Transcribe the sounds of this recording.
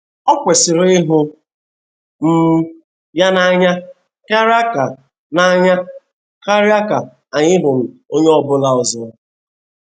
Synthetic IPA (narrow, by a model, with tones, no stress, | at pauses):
ɔ˦kʷe˨sɪ˨ɾʊ˨˦ɪ˦ɦʊ˦ | m̩˦ | ja˦na˦ɲa˦ | ka˦ɾa˦ka˨ | na˦a˦ɲa˦ | ka˦ɾja˦ka˨ | a˨ɲɪ˦ɦʊ˨m̩˨o˦ɲe˦ɔ˨bʊ˦la˨ɔ˨zʊ˨